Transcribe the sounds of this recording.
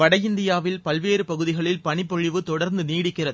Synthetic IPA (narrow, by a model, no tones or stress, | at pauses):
ʋɐɽɐjɪnd̪ɪjaːʋɪlpɐlʋeːɾɯpɐɣɯðɪɣɐɭɪlpɐɳɪpːɔɻɪʋɯt̪ɔɽɐɾnd̪ɯniːɽɪkːɪrɐðɯ